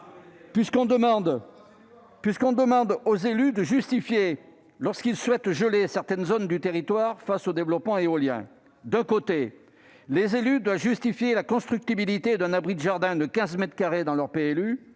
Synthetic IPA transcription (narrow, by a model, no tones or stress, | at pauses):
piskɔ̃d̪əɑ̃d̪ | pɥiskɔ̃d̪əmɑ̃d̪ozelyd̪əʒyst̪ifje | lɔʁskilswɛt̪ʒəlesɛʁt̪ɛnzond̪yt̪eʁit̪waʁfasod̪evlɔpmɑ̃eoljɛ̰̃ | d̪ɛ̃kot̪e | lezelyd̪wavʒyst̪ifjelakɔ̃st̪χyk̚t̪ibilit̪ed̪ɛ̃nabʁid̪əʒaʁd̪ɛ̃d̪əkʲɛ̃zmɛt̪χkaʁed̪ɑ̃lœʁpeɛly